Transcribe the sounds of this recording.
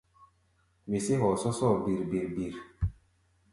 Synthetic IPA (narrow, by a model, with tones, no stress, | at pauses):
wi˨se˦ɦɔ˨sɔ˦sɔ˦˨bi˨ɾbi˨ɾbi˨ɾ